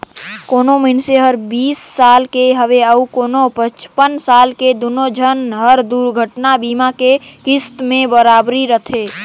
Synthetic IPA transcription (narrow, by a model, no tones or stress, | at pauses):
koːnoməɪnseɦəɾbiːsːalkeɦəʋeəukoːnopət͡ʃpənsaːlked̪onod͡ʒʱənɦəɾd̪uɾɡʱəʈnabiːmakekɪst̪mẽbəɾaːbɾiɾət̪ʰe